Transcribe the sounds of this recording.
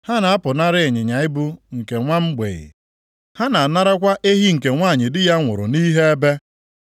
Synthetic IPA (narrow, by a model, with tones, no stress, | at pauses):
ha˦na˨a˦pʊ˨na˦ɾɪ˦˨ɲɪ˨ɲa˨ɪ˦bu˦ŋ̩˨ke˨ŋʷa˦m̩˦ɡ͡bḛ˨ɣɪ̰˨ | ha˦na˨na˦ɾa˦kʷa˦ʔe˦ɦi˦ŋ̩˨ke˨ŋʷa˦˨ɲɪ˨dɪ˦ja˦ŋʷʊ̰˨ɾʊ̰˨ni˦ɦe˦e˦be˦